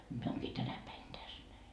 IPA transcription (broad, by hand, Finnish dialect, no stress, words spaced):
mie oːŋkiː tænæ pæin tæs næi